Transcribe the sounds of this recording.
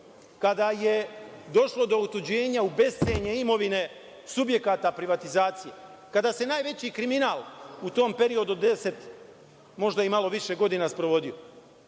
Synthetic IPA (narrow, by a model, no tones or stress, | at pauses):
kad̪aje̞d̪o̞ʃlo̞d̪o̞ut̪ud͡ʑe̞ːɲaube̞st̪eɲeimo̞ʋine̞ | subje̞kaːt̪apɾiʋat̪izaːt̪sije̞ | kad̪aːse̞naːjʋe̞t͡ɕikɾiminaːlˠut̪o̞ːmpe̞ɾio̞d̪ud̪e̞se̞t̪ | mo̞ʒd̪aimalˠo̞ʋiʃe̞ɡo̞d̪inaspɾo̞ʋo̞d̪io